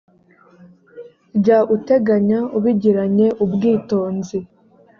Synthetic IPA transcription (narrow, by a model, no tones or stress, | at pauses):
ɟaʔute̞ɡaɲauβiɟiɾaɲe̞ʔubɡiːto̞ːnzi